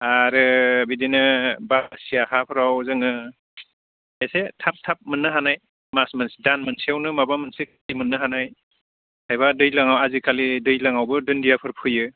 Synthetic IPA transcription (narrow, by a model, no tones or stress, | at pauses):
aɾɯbidinɯbasijahapʰɯɾawzɯŋɯ | esetʰap̚tʰap̚mɯnːɯɦanaj | masmansidanmɯnsiawnɯmabamɯnsiktimɯnːɯɦanaj | hʰajβadɯjlaŋawazikʰalidɯjlaŋawbɯdɯndijapʰɯɾpʰɯjɯ